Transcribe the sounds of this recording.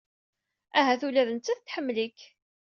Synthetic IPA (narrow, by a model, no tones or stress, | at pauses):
æɦæθulæðənt͡sːæθt̪ːħəmːlikː